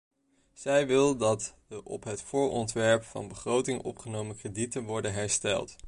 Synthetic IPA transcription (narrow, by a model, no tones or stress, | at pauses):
z̥ɛjʋɪlˠdɑtdəʔɔpɦətfʊːɹɔntʋɛɹpfɑ̰nbəχrowtɪŋʔɔ̰pχənowməkreditənʋɔɹdənɦɛɹstɛ̰lˠt